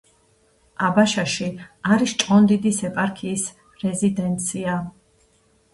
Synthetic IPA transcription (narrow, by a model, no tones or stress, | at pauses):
abaʃaʃiaɾist͡ʃʼqʼɔnd̪id̪isɛpʼaɾkʰiːs | ɾɛzid̪ɛnt̪sʰia